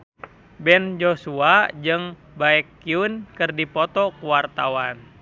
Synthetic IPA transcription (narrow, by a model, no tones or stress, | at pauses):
bɛnd͡ʒosuad͡ʒɨŋ | baɛkːiunkɨrdipɔt̪ɔkuwart̪awan